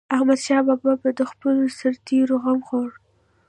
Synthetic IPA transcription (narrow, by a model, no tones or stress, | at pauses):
ahmad̪ʃɑbɑbɑbad̪əxpəlosaɾt̪eɾoɣamxoɽ